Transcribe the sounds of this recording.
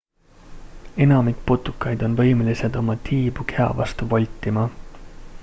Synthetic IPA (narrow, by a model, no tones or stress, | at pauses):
e̞nɑmikpot̪ːˑu̥kːˑɑjd̪̥o̞nvɤ̞jmelised̪o̞mɑt̪ʰiːb̥ukʰe̞ɑ̰vɑ̰st̪uvɑlʲt̪ːˑimɑ